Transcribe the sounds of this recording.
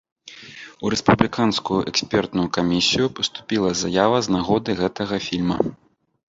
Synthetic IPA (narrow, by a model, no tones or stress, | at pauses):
uɾɛspublʲikanskujuʔɛksʲpʲɛrt̪nujukamʲisʲijupɐst̪u̥pʲilˠɐzajavɐznaɣɔd̪ɨɣɛt̪ɐɣɐfʲilʲmɐ̰